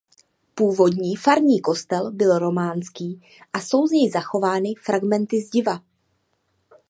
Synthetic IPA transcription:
puːvo̞dɲiːfaɾɲiːko̞st̪ɛlbɪlɾo̞maːnskiː | ʔaso̞wzɲɛjzaxo̞vaːnɪfɾaɡmɛnt̪ɪzɟɪva

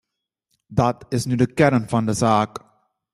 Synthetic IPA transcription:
dɑtɪsnydəkɛɾnfɑndəzaːk

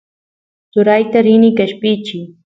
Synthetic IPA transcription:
t͡sʊɾajt̪aɾɪnɪkaʃpɪt͡ʃɪ

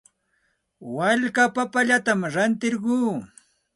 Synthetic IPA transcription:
waʎkapapaʎat̪amɾant̪ɪɾɢuː

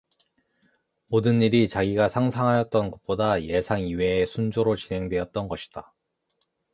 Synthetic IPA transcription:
modɯnːiɾit͡ɕaɡiɡasʰaŋsʰaŋɦajʌt̚t͈ʌnɡʌt̚p͈odaje̞sʰaŋiwe̞ːsʰund͡ʑoɾot͡ɕinɦe̞ŋdwe̞ʌt̚t͈ʌnɡʌɕʰi̥d̥a

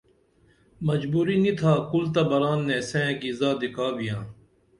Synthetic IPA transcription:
mɐd͡ʑbuːɾinit̪ʰaːkʊlt̪̬abɐɾaːnːẽːsẽːkizaːd̪ɪkʰaːbijãː

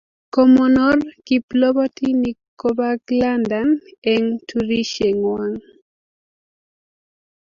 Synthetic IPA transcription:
kɔmɔnɔrkiplɔbatinikɔbaɡlandanɛŋtʰuɾiʃeŋwaŋ

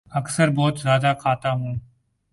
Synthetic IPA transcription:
əksəɾbɔːt̪zjaːd̪aːkʰaːt̪aːɦũː

